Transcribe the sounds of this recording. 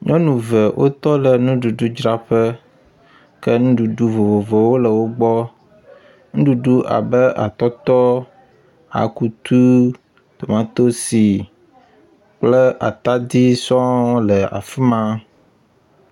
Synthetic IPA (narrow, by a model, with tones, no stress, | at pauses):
ɲɔ̃˦nũ˨və˨wʔo̰˦t̪ɔ˦lɛ˨nũ˦ɖu˨ɖu˦d͡ʒɾa˦ɸɛ˦ | kɛ˦nũ˦ɖu˨ɖu˦vo˨vo˨vɛ˨wo˦lə˨wo˦ɡ͡bɔ˦ | ŋũ˦ɖu˨ɖu˦ʔa̰˨bɛ˦ʔa̰˨t̪ɔ˦t̪ɔ˦ | a̰˨ku˦t̪u˦ | t̪o˨mã˦t̪o˦si˨ | k͡plɛ˦ʔa̰˨t̪a˦d̪i˦sɔ̃˦lɛ˨a̰˨fi˦mã˦